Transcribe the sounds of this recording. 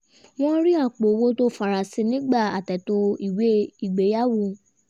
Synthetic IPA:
w̃ɔ̃˦ɾi˦a˦˨k͡po˨wo˦to˦fa˨ɾa˨si˨˧˦nĩ˦ɡ͡ba˦˨a˨tɛ˨to˧i˦˨we˨˦i˨ɡ͡be˨˦ja˦wo˦˨

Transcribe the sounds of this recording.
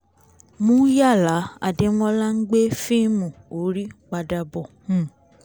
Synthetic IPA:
mũ˦ja˦˨la˨˦a̰˨de˨˧mɔ̃˦la˦ŋ̩˦ɡ͡be˦fĩ˦mũ˨o˨˦ɾi˦k͡pa˧da˧bɔ˨mũ˦˨

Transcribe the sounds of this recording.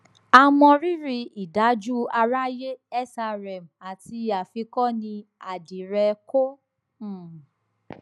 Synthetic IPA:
a˧mɔ̃˧ɾi˦ɾi˧i˨da˨˦d͡ʒu˦a˧ɾa˦je˦ɛ˦sa˧ɾɛ˨m˨a˨ti˧a˨fi˧kɔ˦nĩ˧a˨di˨ɾɛ˧ko˦˨

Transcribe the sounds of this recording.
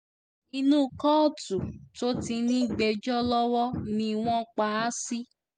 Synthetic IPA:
i˧nũ˦kɔ˦˨tu˨to˨˦ti˧nĩ˦˨ɡ͡be˨d͡ʒɔ˦lɔ˦wɔ˦nĩ˧w̃ɔ̃˦k͡pa˨˦a˦si˦

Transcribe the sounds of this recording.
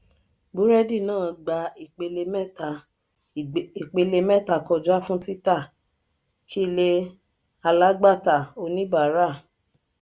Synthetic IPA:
bu˨˦ɾɛ˦di˦˨nãː˦˨ɡ͡ba˧i˨k͡pe˧le˧mɛ˦ta˨ | i˨k͡pe˧le˧mɛ˦˨ta˧˨kɔ˧˨d͡ʒa˦fũ˦ti˦ta˦˨ | t͡ʃi˦˧le˧ | a˧la˦ɡ͡ba˦˨ta˨o˧nĩ˦ba˨˦ɾa˦˨

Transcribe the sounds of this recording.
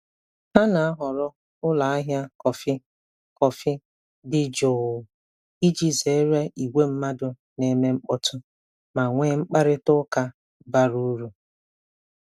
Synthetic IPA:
ha˦na˨a˦ɦɔ˨ɾɔ˦ | ʊ˦la˨a˦ɦja˦kɔ˨fɪ˦ | kɔ˨fɪ˦ | dɪ˦d͡ʒo˨ | i˦d͡ʒi˦ze˨˦ɾa˦i˨ɡʷe˦m̩˦ma˦dʊ˨ | ne˨me˦ŋ͡m̩˦k͡pɔ˦tʊ˦ | ma˨ŋʷe˦ŋ͡m̩˦k͡pa˦ɾɪ˦tʊ˦ka˦ | ba˦ɾu˦ɾu˨

